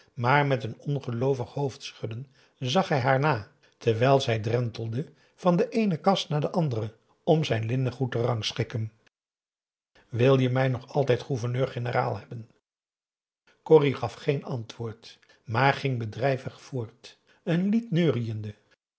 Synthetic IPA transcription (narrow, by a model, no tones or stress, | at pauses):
maːɹmɛtənɔnχəlowvəχhowftsχʏdən | zɑχɦɛjɦaːɹnaː | tɛɹʋɛjlˠzɛjdrɛntəl̩ˠdə | v̥ɑndəʔejnəkɑstnaːdəʔɑndərə | ɔmzɛjnlɪnəχutərɑŋsχɪkən | ʋɪlˠjəmɛjnɔχɑlˠtɛjtχuvəɹnøːɹχenəra̰ːlˠɦɛbən | kɔriχɑfχejnɑntʋʊːɹt | maːɹχɪŋbədrɛjvəχfʊːɹt | ənlitnøːrijəndə